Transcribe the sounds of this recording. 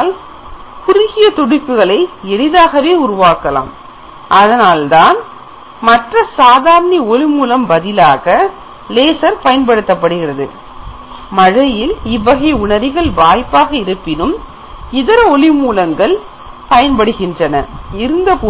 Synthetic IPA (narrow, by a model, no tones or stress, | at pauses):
l | kʊɾɪɣɪjɐt̪ɔɽɪpːɯɣɐɭɐɪɛɽɯðaːɣɐʋeːʊɾʊʋaːkɐla̰ːm | ʔɐðɐnaːlt̪aːn | mɐʈrɐsaːðaːɾɐniɔlɪmuːlɐmbɐðɪlaːɣɐ | leːsɐɾpɐjɐnpɐɽɯt̪ːɐpːɐɽɯɣɪrɐðɯ̰ | mɐɻɐjɪlɪʋːɐɣɐɪʊɳɐɾɪɣɐɭbaːjpːaːɣɐɪɾɯpːɪnɯm | ɪðɐɾɐɔlɪmuːlɐŋɡɐɭ | pɐjɐnpɐɽɯɣɪndrɐnɐɪɾɯnd̪ɐpː